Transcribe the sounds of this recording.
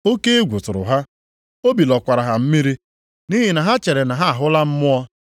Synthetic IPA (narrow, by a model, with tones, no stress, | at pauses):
o˦ke˦e˦ɡʷu˨tʊ˨ɾʊ̰˨ɦa˦ | o˦bi˨lɔ˨kʷa˨ɾa˨ɦa˨m̩˦mi˦ɾi˦ | ni˦ɦi˨na˨ɦa˦t͡ʃe˨ɾe˨na˨ɦa˦a˨ɦʊ˦la˦m̩˦mʊ˦ɔ˦